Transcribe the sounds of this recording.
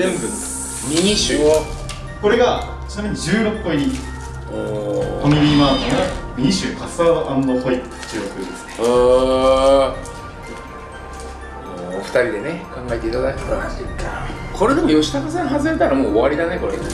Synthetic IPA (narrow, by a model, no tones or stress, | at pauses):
ẽmbɯ̟t͡s | ɲiɲiɕɨo | ko̞ɾeɡa | t͡ɕinameɲ̟id͡ʑɨːɾo̞pːoiɲ̟i | okonimʲimaːneɡaɲʲiɕɨːkasaʔanːohoit | i̥t͡ɕiosɨd̪e̞sɨ̥neo | oːɸɯ̟̥t̪aɾʲid̪e̞ne̞kãŋɡae̞t̪e̞it̪ad̪akit̪eat̪et̪akʰo̞ɾe̞d̪e̞mo̞jo̞ɕi̥t̪akas̬ãɦazɨɾet̪aɾamoːβaɾʲid̪ane̞ko̞ɾḛ